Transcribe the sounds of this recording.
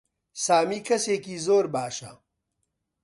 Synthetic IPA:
saːmiːkʰɐseːkiːzoːɾbaːʃɐ̰

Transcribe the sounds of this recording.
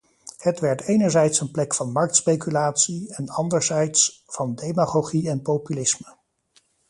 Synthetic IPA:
hətʋɛɹtejnəɹzɛjtsənplɛkfɑnmɑɹk̚tspejkylaːtsiɛnɑndəɹzɛjtsfɑndejmaχoχiɛnpowpylɪsmə

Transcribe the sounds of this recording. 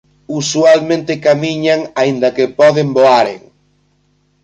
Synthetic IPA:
usualmẽnt̪ɪkamiɲaŋaind̪ɐkepɔðemboaɾḛŋ

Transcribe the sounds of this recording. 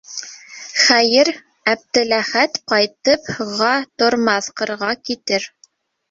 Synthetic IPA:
χæjɘɾ | æb̚d̪ɘ̆læχæt̪qɑjt̪ɤphoʁɑt̪ŏɾmɑθqɤ̆ɾʁɑkit̪ɘɾ

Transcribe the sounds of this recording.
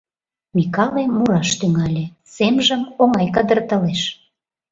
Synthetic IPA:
mʲikɑlemuɾɑʃt̪yŋɑlʲe | semʒəmoŋɑjkəd̪ərt̪əleʃ

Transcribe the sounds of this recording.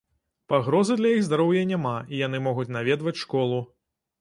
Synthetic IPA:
paɣɾɔzɨd̪lʲɐjiɣzd̪aɾɔwjɐnʲamaijan̪ɨmɔɣut͡sʲnavʲɛd̪vɐt͡sʲʂkɔlˠu

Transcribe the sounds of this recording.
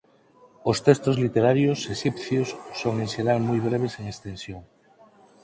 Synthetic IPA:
ost̪est̪ozlit̪eɾaɾjoseʃipθjosːoŋenʃeɾalmujβɾeβ̞eseŋest̪ẽnsjoŋ

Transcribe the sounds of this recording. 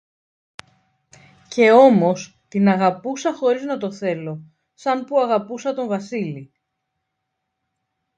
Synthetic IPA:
ce̞o̞mo̞s | t̪inɐɣɐpusɐxo̞ɾiznɐt̪o̞θe̞lo̞ | sɐmpuɐɣɐpusɐt̪o̞ɱvɐsili

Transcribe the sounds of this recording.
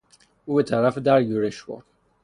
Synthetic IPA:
uːbet̪ʰæɾæfed̪æɾjuɾeʃvɒ̰̥

